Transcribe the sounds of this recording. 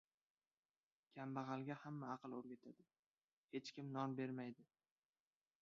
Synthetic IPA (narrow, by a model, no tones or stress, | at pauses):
kʲʰambaʁɑlˠɡʲahamːaɑqɨlˠoɾɡʲat̪ʰad̪ɪ | he̞t͡ʃkʲɪmnɒnbe̞ɾmajd̪ɪ